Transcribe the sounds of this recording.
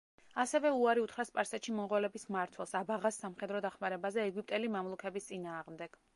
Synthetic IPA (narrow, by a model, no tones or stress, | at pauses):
asɛvɛuaɾiut̪ʰχɾaspʼaɾsat̪ʃimɔŋʁɔlɛbismaɾt̪ʰwɛlˠsabaʁasːamχɛd̪ɾɔd̪aχmaɾɛbazɛːɡip̚ʼt̪ʼɛlimamlˠukʰɛbist̪sʼinaːʁmd̪ɛɡ̥